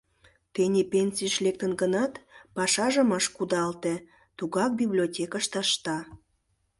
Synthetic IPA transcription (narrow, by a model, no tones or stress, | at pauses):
t̪enʲepʲenʲsʲijəʃlek̚t̪ənɡənɑt̪pɑʃɑʒəmɑʃkud̪ɑlt̪e | t̪uɣɑk̚bʲiblʲiotʲekɑʃt̪ɑʃt̪ɑ